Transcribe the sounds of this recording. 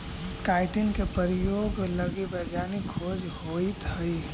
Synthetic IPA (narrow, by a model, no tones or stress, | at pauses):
kaɪʈɪnkepəɾijoːɡləɡibəɡ̪janikʰod͡ʒhoit̪ɦəɪ